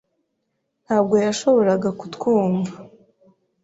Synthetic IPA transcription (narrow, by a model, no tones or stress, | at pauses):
n̥haːb̚ɡo̞jaʃo̞βo̞ɾaɡaku̥tkuːŋɡa